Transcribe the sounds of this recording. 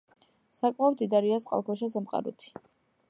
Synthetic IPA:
sakʼmaɔɾd̪id̪aɾiasʼqʼa̰lˠkʰɔʃas̬amqʼa̰ɾɔ̰t̪ʰi̥

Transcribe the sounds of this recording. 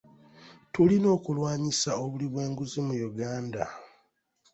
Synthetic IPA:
tulino̞ːkulwaːɲisao̞βuliβwe̞ːŋɡuzimujuɡaːnda̰

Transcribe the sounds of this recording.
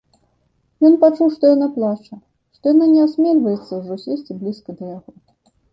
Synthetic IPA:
jɔnpat͡ʂuwʂt̪ɔjanaplˠat͡ʂɐ | ʂt̪ɔjananʲɛasʲmʲelʲvɐjɛt̪sːɐwʐɔsʲesʲt͡sʲiblʲiskɐd̪ɐjaɣɔ

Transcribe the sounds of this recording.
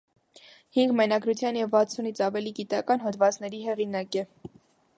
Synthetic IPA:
hiŋɡmɛnɑɡɾut͡sʰjɑnjɛvːɑt͡sʰunit͡sʰɑvɛliɡit̪ɑkɑnɦɔd̪vɑt͡snɛɾiɦɛʁinɑkɛ

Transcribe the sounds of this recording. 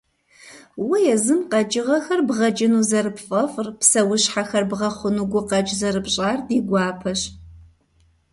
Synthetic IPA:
wɐjɛzɨmqɐt͡ʃʼɪʁɐxɐrbʁɐd͡ʒʼɪnuːzɐɾɨpfʼɐfʼrpsɐwʊɕħaxɐrbʁɐχʷʊnuɡʷʊqɐt͡ʃʼzɐɾɨbɕʼaːrdiːɡʷɑːpʰɐɕ

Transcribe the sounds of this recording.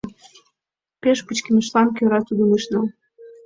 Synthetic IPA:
pʲeʃput͡ɕkʲimɘʃlˠɑnkʲøɾɑsud̪ɤmɨʃnɑ

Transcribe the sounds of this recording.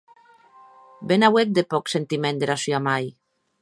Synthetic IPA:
benawek̪̚d̪epɔksent̪imẽnd̪eɾasjamaj

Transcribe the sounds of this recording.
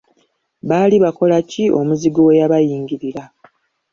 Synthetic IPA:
βaliβako̞lacio̞muziɡowejaβajiːŋɡiɾiɾa

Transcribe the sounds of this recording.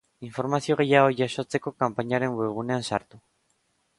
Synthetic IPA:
iɱfo̞ɾmasio̞ɣ̞e̞jaɣo̞ʝaso̞t͡se̞ko̞kampaɲaɾe̞mwe̞β̞uneansa̰ɾt̪u

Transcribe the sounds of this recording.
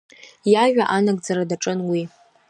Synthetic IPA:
jaʒʷᶣaʔanaɡ̚ʼd͡zaɾadaʈ͡ʂʼɨnwi

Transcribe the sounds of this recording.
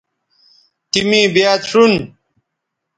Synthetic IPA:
t̪imĩbjaːt̪ʂun

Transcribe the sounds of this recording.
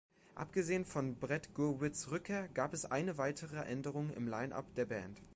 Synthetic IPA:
ʔa̰pɡ̥əzeːənfɔnbʁɛtɡ̥uɐvɪsʁʏkʰeːɐɡ̥aːpɛsʔaɪnəvaɪtʰəʁəʔɛndəʁʊŋɪ̰mlaɪnʔa̰pd̥eːɐbɛːnt

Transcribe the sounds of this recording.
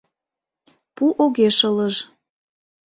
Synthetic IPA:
puʔoɣeʃələʒ

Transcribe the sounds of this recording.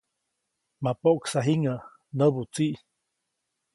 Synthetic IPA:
mapoʔksaɦiŋə | nəbut͡siʔ

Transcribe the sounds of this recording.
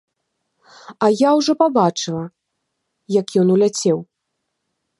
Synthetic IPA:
ajawʐɔpabat͡ʂɨlˠɐ | jɐkjɔnulʲat͡sʲɛw

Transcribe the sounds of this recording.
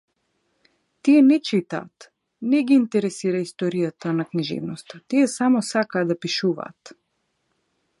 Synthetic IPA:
t̪iɛnɛt͡ʃit̪a̰ːt̪ | nɛɡiːnt̪ɛɾɛsiɾaist̪ɔɾijat̪anakniʒɛ̰vnɔst̪at̪iɛsamɔsakaːd̪apiʃuva̰ːt̪

